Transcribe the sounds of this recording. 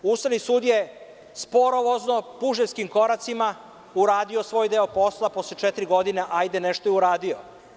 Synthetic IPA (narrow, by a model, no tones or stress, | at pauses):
ust̪aʋnisuːd̪je | spo̞ɾo̞ʋo̞zno̞puʒeskimko̞ɾat̪sima | uɾaːd̪io̞sʋo̞ːjd̪eo̞po̞slˠapo̞slet͡ʃet̪ɾiɡo̞d̪ineʔajd̪eneʃt̪ojeuɾaːd̪io